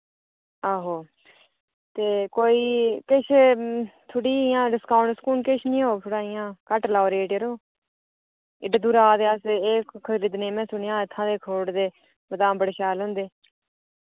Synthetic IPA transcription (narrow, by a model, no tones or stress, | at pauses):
aːɦoː | t̪eːkoːiːkɪt͡ʃʰ | t̪ʰʊɽiːɪjãːɖɪskaːʊ̃ɳʈskuːnkɪt͡ʃʰnĩːɦoːt̪ʰʊɽaːɪjãːkəʈlaːɾeːʈjəɾoː | ɪɖd̪uːɾaːd̪eːaseːkkʰəɾiːd̪nẽːmɛ̃ːsʊɳjãːɪt̪ʰːãːd̪eːkʰoːɽd̪eː | bət̪ãːmbəɽeːʃaːlɦʊ̃ːnd̪eː